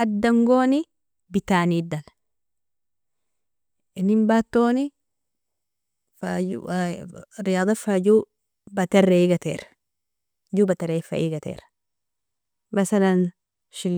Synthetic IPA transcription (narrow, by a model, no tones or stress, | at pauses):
ʔɐd̪ːɐŋɡoːnɪ | bɪt̪aːniːd̪ɐl | ɪnːɪmbat̪ːoːnɪ | fa | ɾɪjaːd̪ˤɐfad͡ʒu | bɐt̪ɐreɡɐt̪ḛːɾ | d͡ʒubɐt̪ɐɾefɐ̰ʔiɡɐt̪ḛːɾ | mɐsɐlɐn | ʃɪl